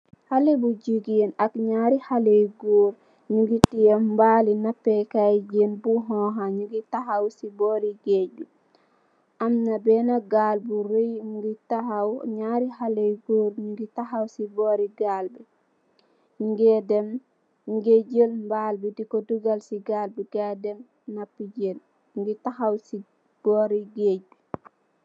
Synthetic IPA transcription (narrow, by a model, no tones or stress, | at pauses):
halebud͡ʒuɡenakɲaːɾihalejɡoːɾ | ɲuɡitijɛmmbalinapːɛkajd͡ʒenbuɦɔɦaɲuɡitaɦawsibɔːɾiɡeɟu | ʔamnabɛnaɡalbuɾojɲuɡitahawɲaɾihalejɡoɾɲuɡitahawsibɔɾiɡalbɛ | ɲŋɡɛdɛm | ɡeɟəlmbalbidikoduɡalsiɡalbiɡadɛm | napiɟen | mɡitahawsi | ɡ̥ɔɾiɡeɟu